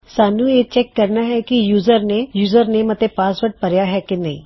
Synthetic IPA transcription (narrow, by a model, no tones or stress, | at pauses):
saːnujet͡ʃɛkːɐɾnaɦɛkijuːzəɾnejuːzəɾnemɐt̪epaːsʋəɾʈ̚pɐɾjaɦɛkinɐɦḭ̃